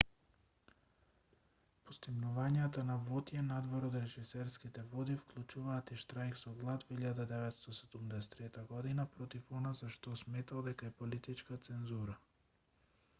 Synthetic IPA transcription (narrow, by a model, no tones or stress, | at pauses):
pɔst̪imnuvaɲat̪anavɔt̪jɛnad̪vɔɾɔt̪ɾɛʒisɛɾskit̪ɛvɔd̪ifklˠut͡ʃuvaːt̪iʃt̪ɾajksɔɡlˠat̪viʎad̪ad̪ɛvɛt̪st̪ɔsɛd̪umd̪ɛsɛ̥t̪ːɾɛt̪aɡɔd̪inapɾɔt̪ifɔnazaʃt̪ɔsmɛt̪alˠd̪ɛkaɛpɔlit̪it͡ʃkat̪sɛnzuɾa